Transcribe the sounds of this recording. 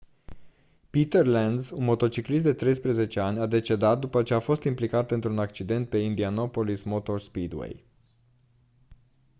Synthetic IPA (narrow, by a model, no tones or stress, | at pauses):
pit̪erland̪zsunmo̞t̪o̞t͡ʃiklist̪d̪et̪ɾe̞jspɾeze̞t͡ʃe̞anʲad̪e̞t͡ʃe̞d̪at̪̚d̪upət͡ʃe̞afo̞st̪implikat̪ɨnt̪ɾunakt͡ʃid̪e̞nt̪̚pe̞ind̪iano̞po̞lismo̞t̪o̞rspid̪wḛj